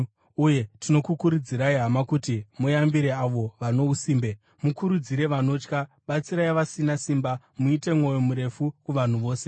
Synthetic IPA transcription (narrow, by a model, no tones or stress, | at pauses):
uje̞tʰino̞kukuɾud͡ziɾaiɦamakutimujambiɾeaʋo̞ʋano̞usiːmbe | mukuɾud͡ziɾe̞ʋano̞ːt͡ʃka | ɓat͡siɾajiʋasinasimba | muite̞mŋo̞jo̞muɾe̞fukuʋan̤uʋo̞ːse̞